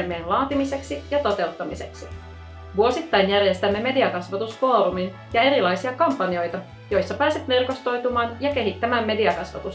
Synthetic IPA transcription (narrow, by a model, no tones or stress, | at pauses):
lmeːnlɑːt̪imise̞ksijɑt̪o̞t̪e̞ut̪ːɑmise̞ksi | ʋuo̞sit̪ːɑjnjærjest̪æmːe̞me̞diɑkɑsʋɑt̪usfo̞ːɾumin | jɑe̞ɾilɑjsiɑkɑmpːɑnio̞jt̪ɑ | jo̞jsːɑpæːset̪merko̞st̪o̞jt̪umɑːnjɑke̞ɦit̪ːæmæːmːe̞diɑkɑsʋɑt̪us